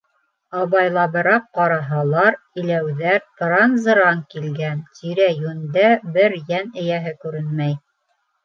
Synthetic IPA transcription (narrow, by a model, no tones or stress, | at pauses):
ɑβɑjlˠɑβɤ̆ɾɑp̚qɑɾɑɦɑlˠɑɾ | ɘ̆læwðæɾt̪ɾɑnzɤ̆ɾɑŋkilɡænt̪iɾæjʉnd̪æbɘɾjænɘ̆jæɦɘkʉɾɘnmæj